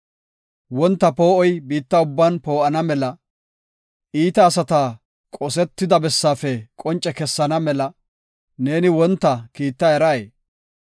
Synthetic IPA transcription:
wɔnt̪ːɐpo̞ːʔɔjbiːt̪ːɐʊbːanpo̞ːʔɐnɐmɛlɐ | ʔiːt̪ɐːsɐt̪aː | kʼɔsɛt̪ːɪd̪ɐbɛsːaːfɛkʼɔnt͡ʃʼɛkɛsːɐnɐmɛlɐ | ne̞ːnɪwɔnt̪ːɐkiːt̪ːɐɛɾɐjeː

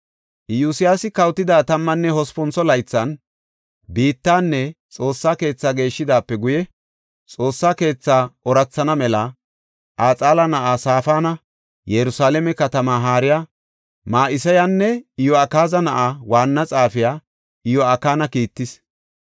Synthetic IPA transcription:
ʔɪjuːsɪjaːsɪkɐwt̪ːɪd̪aːt̪ɐmːɐnːɛhɔspɔnsɔlɐjt͡sːɐn | biːt̪ːaːnːɛt͡sʼo̞ːsːaːke̞ːt͡sːaːɡe̞ːʃːɪd̪aːpːɛɡʊjɛ | t͡sʼo̞ːsːaːke̞ːt͡sːaːʔɔɾɐt͡sːɐnɐmɛlɐ | ʔaːt͡sʼaːlɐnɐʔaːsaːfaːnɐ | jɛɾʊsaːlɛmɛkɐt̪ɐmaːɦaːɾɪjaː | maːʔɪsɐjanːɛɪjɔɐkaːzɐnɐʔawaːnːɐt͡sʼaːfɪjaː | ɪjɔɐkːaːnɐkiːt̪ːɪs

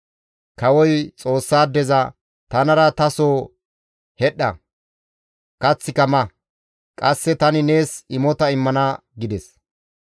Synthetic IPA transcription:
kɐwɔjt͡sʼo̞ːsːaːd̪ɛzɐ | t̪ɐnɐɾɐt̪ɐsoː | hɛɗɐ | kɐt͡sːɪkɐmɐ | kʼɐsːɛt̪ɐnɪne̞ːsɪmɔt̪ɐɪmːɐnɐ | ɡɪd̪ɛs

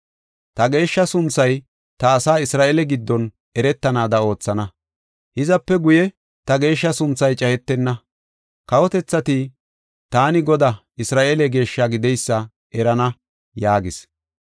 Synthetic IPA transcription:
t̪ɐɡe̞ːʃːɐsʊnt͡sːɐj | t̪ɐːsaːɪsɾaːʔeːlɛɡɪd̪ːɔn | ɛɾɛt̪ːɐnaːd̪ɐo̞ːt͡sːɐnɐ | hɪzɐpːɛɡʊjɛ | t̪ɐɡe̞ːʃːɐsʊnt͡sːɐjt͡ʃʼɐhɛt̪ːɛnːɐ | kɐwɔt̪ɛt͡sːɐt̪i | t̪aːnɪɡɔd̪aʔɪsɾaːʔeːlɛɡe̞ːʃːaɡɪd̪ɛjsːɐ | ʔɛɾɐnɐ | jaːɡɪs

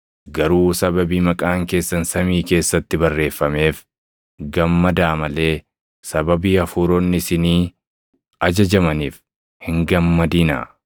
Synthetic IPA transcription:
ɡɐɾuːsɐbɐbiːmɐkʼaːŋke̞ːsːɐnsɐmiːke̞ːsːɐt̪ːɪbɐrːe̞ːfːɐme̞ːf | ɡɐmːɐd̪aːmɐle̞ː | sɐbɐbiːɐfuːɾonːɪsɪniː | ɐd͡ʒɐd͡ʒɐmɐniːf | hɪŋɡɐmːɐd̪iːnɐ̰

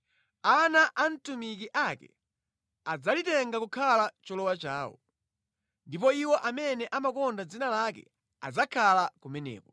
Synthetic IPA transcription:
anaʔantumikiʔakɛ̰ | ad͡zalitɛŋɡakukʰalat͡ʃɔlɔwat͡ʃaːwɔ̰ | ndipɔiwɔʔamɛnɛʔamakɔndad͡zinalakɛ̰ | a̰d͡zakʰalakumɛnɛ̰ːpɔ̥

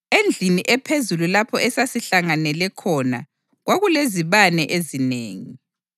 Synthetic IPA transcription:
end͡ɮʱiniʔɛpʰezululapʰɔʔɛsasiɬaŋanɛlɛkʰɔna̰ | ɣwaɣuleziβanɛʔezineːŋi

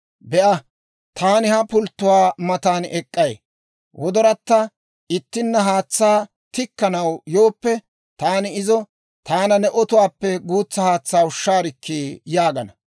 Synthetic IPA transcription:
bɛʔɐ | t̪ʰaːnɪhɐpʊlt̪ːʊwaːmɐt̪aːnɛkʼːɐj | wʔɔd̪ɔɾɐt̪ːɐ | ɪt̪ːɪnːɐɦaːt͡sːaː | t̪ɪkːɐnɐwjo̞ːpːɛ | t̪aːnɪɪzɔ | t̪aːnɐnɛʔɔt̪ʊwaːpːɛɡuːt͡sːɐhaːt͡sːaːʊʃːaːɾɪkʰːiːjaːɡɐnɐ

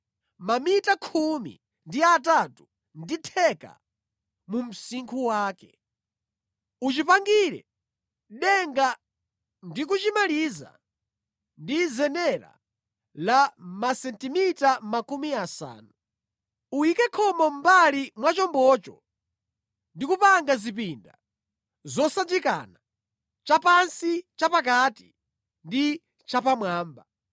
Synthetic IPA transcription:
mamitakʰumḭ | ndiatatu | nditʰɛka̰ | mum̩siŋkʰuwaːkɛ | ut͡ʃipaŋɡiɾɛ̰ | ɗɛŋɡa | ndik̬ut͡ʃimaliza̰ | ndizɛnɛɾa̰ | lamasɛntimitamakumiasa̰ːnu | uikɛkʰɔmɔm̩balimwat͡ʃɔmbɔt͡ʃɔ̰ | ndikupaŋɡazip̬inda | zɔsad͡ʒika̰na | t͡ʃapansit͡ʃapak̬ati̥ | ndi | t͡ʃapamwaːmba

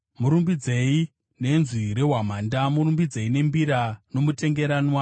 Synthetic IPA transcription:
muɾumbid͡ze̞i | ne̞nzwiɾe̞ɦwam̤andamuɾumbid͡ze̞ine̞mbiɾano̞mute̞ŋɡe̞ɾaːnwa

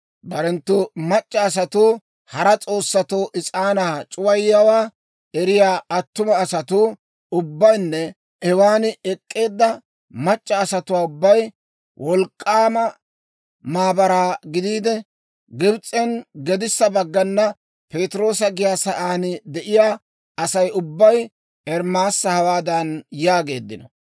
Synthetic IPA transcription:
bɐɾɛnt̪ːʊmɐt͡ʃʼːɐːs̬ɐt̪uː | hɐɾɐt͡sʼo̞ːsːɐt̪oːʔɪt͡sʼaːnaːt͡ʃʼʊwɐjːɐwaː | ɛɾɪjaːʔɐt̪ːʊmɐːsɐt̪ʊ | ʊbːɐjnːɛ | ɛwaːnɪɛkʼːe̞ːd̪ːɐ | mɐt͡ʃʼːɐːsɐt̪ʊwaːʊbːɐj | wʔɔlkʼːaːmɐ | maːbɐɾaːɡɪd̪iːd̪ɛ | ɡɪbt͡sʼːɛnɡɛd̪ɪsːɐbɐɡːɐnːɐ | pe̞ːt̪ɪɾo̞ːs̬ɐɡɪjaːsɐʔaːnɪd̪ɛʔɪjaː | ɐsɐjʊbːɐj | ɛɾmaːsːɐhɐwaːd̪ɐnjaːɡe̞ːd̪ːɪnɔ

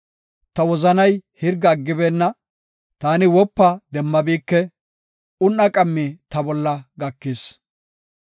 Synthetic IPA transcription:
t̪ɐwɔzɐnɐjhɪɾɡɐːɡːɪbeːnːɐ | t̪aːnɪwɔpːɐd̪ɛmːɐbiːkːɛ | ʊnːɐkʼɐmːit̪ɐbɔlːɐɡɐkːɪs

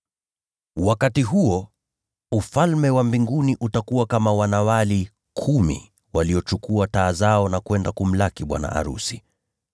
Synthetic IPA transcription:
wakatiɦuɔ | ufalmɛwambiŋɡuniʔutakuwakamawanawali | kʰumḭ | waliɔt͡ʃukuataːzaɔnakwɛndakum̩lakiɓwa̰na̰ʔa̰ɾṵsi

